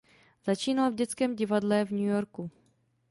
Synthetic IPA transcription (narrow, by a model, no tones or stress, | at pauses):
z̥at͡ʃiːnalvɟɛt͡skɛːmɟɪvadlɛvɲujoɾku